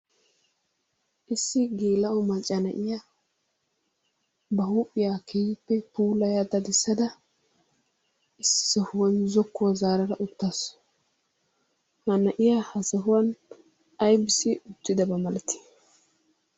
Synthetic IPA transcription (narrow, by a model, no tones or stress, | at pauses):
ʔɪsːɪɡeːlɐɔmɐt͡ʃʼɐnɐʔɪja | bɐhuːpʼɪjakʰejɪpːɛpuːlɐjad̪ɐd̪ɪsːɐd̪ɐ | ɪsːɔhʊwɐnzɔkːʊwɐzaːɾɐɾɐʔʊt̪ːas | hɐnɐʔɪjahɐsɐɦʊwɐn | ɐjbɪsɪʊt̪ːɪd̪ɐbɐmɐlt̪ːɪ̥